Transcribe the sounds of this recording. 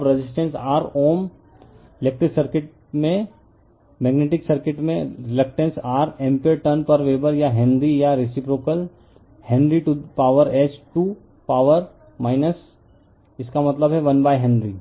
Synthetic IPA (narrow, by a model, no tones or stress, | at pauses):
bɾed͡ʒɪsʈẽnsaːɾoːm | ɪleːk̚ʈɾɪksəɾkɪʈ̚ | mẽ | mɛːɡneːʈɪksɐɾkɪʈmẽɾɪlək̚ʈẽnsaːɾɛ̃ːmpeʈəɾnpɐɾʋeːbəɾjaɦɛ̃ɳɖɾijaɾɪsɪpɾoːkəl | hɛ̃ɳɖɾiʈupaːʋəɾɛːd͡ʒʈuː | paːʋəɾ | maːɪnəs | ɪskamɐt̪ləbɦɛʋɐnbaːjɦɛ̃ɳɖɾiː